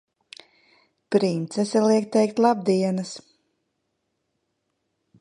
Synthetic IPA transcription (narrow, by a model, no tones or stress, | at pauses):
pɾint̪sɛsɛlˠiɛktt̪ːɛjk̚t̪lˠab̚d̪iɛnɐs